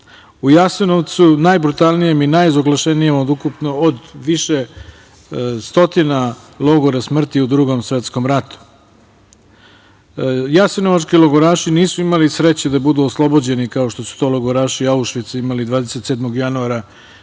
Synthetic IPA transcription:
ujaseno̞ʋt̪sunajbɾut̪alˠnijeminajizoɡlˠaʃenijemod̪ukupno̞od̪ʋiʃe | st̪o̞t̪ina | lˠo̞ɡoɾasmr̩t̪iud̪ɾuɡo̞msʋe̞t̪sko̞mɾat̪u̥ | jasenoʋat͡ʃkilˠoɡoɾaːʃiniːsuimalisɾe̞t͡ɕed̪abud̪uoslˠo̞bod͡ʑe̞nikao̞ʃt̪o̞su̥t̪o̞loɡoɾaːʃiauʃʋit̪seimalid̪vʋaːd̪e̞set̪seːd̪mo̞ɡjanuaɾa

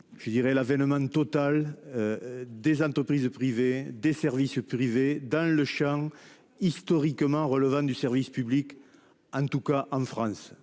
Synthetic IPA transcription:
ʒ̥əd̪iʁɛlavɛnəmɑ̃t̪ɔt̪alød̪ezɑ̃t̪χəpχizpχived̪esɛʁvispχived̪ɑ̃ləʃɑ̃ | ist̪ɔʁikəmɑ̃ʁələvɑ̃d̪ysɛʁvispyblik | ɑ̃nt̪ukaʔɑ̃fχɑ̃s

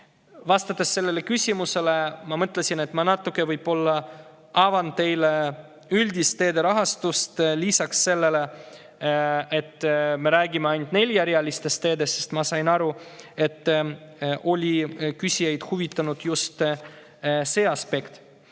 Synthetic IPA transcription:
vɑst̪ɑt̪ːˑesːe̞lːe̞le̞kysʲimuse̞lemɑmɤt̪le̞sʲine̞t̪ˑmɑnɑt̪ːˑukˑːe̞vɯjb̥o̞lːɑ | ɑvɑnt̪e̞jle | ylʲd̪ist̪e̞ːd̪e̞ɾɑɦɑst̪ust̪lisɑksːe̞lːe̞le̞ | e̞t̪ːme̞ɾæːɡimeɑjnt̪ne̞lʲjæɾjɑlist̪e̞st̪e̞ːd̪e̞sːest̪mɑsɑjnɑɾue̞t̪ːˑʔo̞lʲikysʲijejd̪̥huvit̪ːˑɑnud̪̥just̪ | se̞ːɑspe̞kt̪

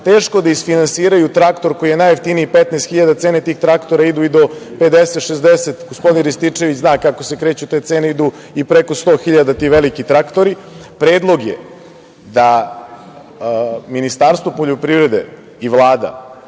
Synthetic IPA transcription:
t̪eːʃkod̪aisfinansiːɾajut̪ɾakt̪o̞ɾko̞jijenajeft̪iniipet̪nɛst̪xiʎad̪at̪seːnet̪iːxt̪ɾakt̪oɾaid̪uid̪o̞pe̞d̪eset̪ʃezd̪eset̪ɡospo̞d̪inɾist̪it͡ʂe̞ʋit͡ɕznaːkakose̞kɾe̞ːt͡ɕut̪e̞ːt̪eːneid̪u | ipɾeko̞st̪o̞ːxiʎad̪at̪iːʋelikit̪ɾakt̪o̞ɾi | pɾeːd̪lˠo̞ɡjḛ | d̪a | minist̪aːɾst̪ʋopo̞ʎopɾivɾe̞d̪ḛ | iʋlˠaːd̪a̰

